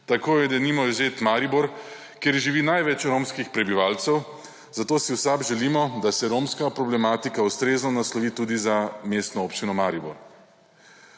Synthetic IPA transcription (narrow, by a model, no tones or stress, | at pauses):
t̪akoːjɛd̪ɛnimɔizeːt̪maːɾibɔɾ | kjeɾʒiʋiːnajʋɛt͡ʃɾomskixpɾɛbiʋaːlt̪sɛw | zat̪oːsiwsabʒɛlimɔd̪asɛɾoːmskapɾɔblɛmaːt̪ikawst̪ɾeːznɔnaslɔʋiːt̪uːd̪izameːst̪nɔoːpt͡ʃinɔmaɾibɔ̰ɾ